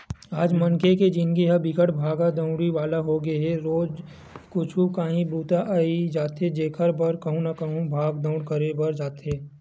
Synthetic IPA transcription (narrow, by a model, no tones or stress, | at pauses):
aːd͡ʒmɐŋkʰeked͡ʒɪnkiɦɐbɪkəʈbʱaːɡad̪ə̃ʊ̃ɽiʋaːlaɦoɡeɦɛɾoːd͡ʒ | kʊt͡ʃʰũkaːɦĩbɾuːt̪aʔaːid͡ʒaːt̪ed͡ʒeːkʰəɾbɐɾkɐɦũnakɐɦũbʱaːɡd̪ɐ̃ʊ̃ɽkɐɾebɐɾd͡ʒaːt̪eː